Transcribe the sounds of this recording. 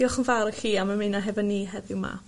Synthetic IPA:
iɔχənvaɾəɬiːamamenaɦɛvɔnːiːɦɛðɪwma̰

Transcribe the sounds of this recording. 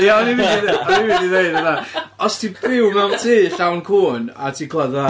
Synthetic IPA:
jaɔnividiðɔniviːdiðejdəðaɔstʰibɪwmɛwntʰiːɬawnkʰuːnatʰikʰlˠɛða

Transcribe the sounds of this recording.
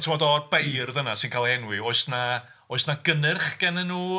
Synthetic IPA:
tʰəvɔdɔrbejrðənasɨnkʰalˠɛnwɨoɨsna | oɨsnaɡənɨrχɡ̥ɛnənuː

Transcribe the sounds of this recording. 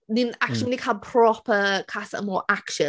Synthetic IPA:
nĩnakʃə̃mnikʰapʰɹ̥ɒpəkʰasə̰mɔːɹʔakʃə̃

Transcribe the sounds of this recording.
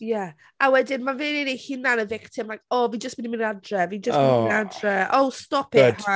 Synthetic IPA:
jɛ | awɛdɪnmaveːnenehɪnanəvɪktʰɪmakɔvid͡ʒəstb̥ɪnimɪnadrɛvid͡ʒəsnadrɛowstɔpɪa

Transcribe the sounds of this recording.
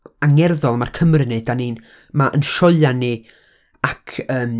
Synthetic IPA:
aŋɛrðɔlˠmarkʰəmrɪnedanin | maʔənʃɔlanːi | akʰəːm

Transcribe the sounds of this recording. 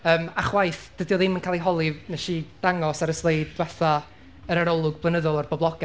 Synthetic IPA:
əːmaχwajθd̥ədjɔðɪmənkʰalˠiɦɔlˠɪvnɛʃid̥aŋɔsaɾəslˠejddwɛθa | əɾaɾɔlˠʊɡblˠənəðɔlˠarbɔblˠɔɡa

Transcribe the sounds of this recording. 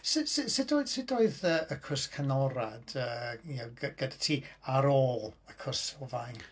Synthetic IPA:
sɪsɪsɪdoɨðsɪdoːɨðəːəkʰʊskʰənɔɾad̥əːjaɡəɡ̥ədatʰiːaɾoːlˠəkʰʊsɔvajn

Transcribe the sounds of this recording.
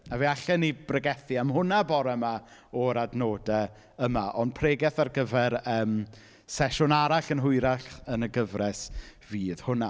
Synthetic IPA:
aviaɬɛnibrəɡɛθiamɦʊnabɔɾɛmaɔɾadnoːdɛ | əmaʔɔnd̚pʰreːɡɛθarɡəvɛɾəːm | sɛʃʊnaɾaɬənɦʊɨɾaɬənəɡəvrɛsviːð̥hʊna

